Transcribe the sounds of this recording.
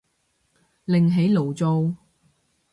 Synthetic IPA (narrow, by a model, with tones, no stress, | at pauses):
lɪ˨ŋɦe˨˥jlo˨˩wt͡so˧w